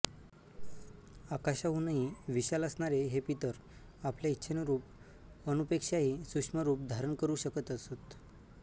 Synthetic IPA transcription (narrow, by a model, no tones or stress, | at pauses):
akaɕaɦunaɦiʋiɕaləsɳaɾeɦepit̪əɾ | apljaitːɕʰenɾuːp̚ | ənupekʂaɦiːsukʂməɾuːp̚d̪ʱaɾəɳkəɾuːɕəkət̪əsot̪